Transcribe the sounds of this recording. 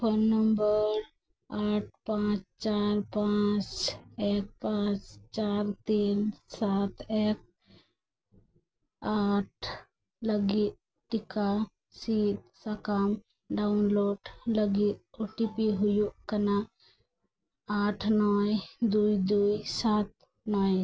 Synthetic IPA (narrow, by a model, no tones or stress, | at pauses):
pənːəmbəɾ | aːʈ̚ʰpãt͡ʃt͡ʃaɾpãt͡ʃek̚pãt͡ʃt͡ʃaːɾt̪insaːt̪ʰeːk̚ | aʈ̚ʰ | ləɡi | ʈɪka | sit̪ | sakam | ɖaʊnloːɖləɡit̪oʈipiɦʊjukəna | aːʈʰnɔjd̪uid̪ujsat̪̚ | nɔj